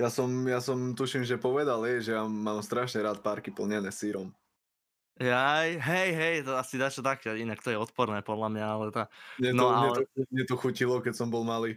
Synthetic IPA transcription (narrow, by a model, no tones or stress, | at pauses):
jasɔmjasɔmt̪uʃimʒɛpɔʋɛd̪alɛʒɛjamaːmst̪ɾaʃɲɛɾaːt̪paɾkipl̩ɲɛnɛːsiɾɔm | ɦɛjɦɛjɦɛjt̪ɔasid̪at͡ʃɔt̪akɛinakt̪ɔjɛɔt̪pɔɾnɛːpɔd̪lamɲaalɛt̪aɲɛnɔaɲɛɛt̪ɔɲɛt̪ɔxucilɔkɛcsɔmbɔlmaliː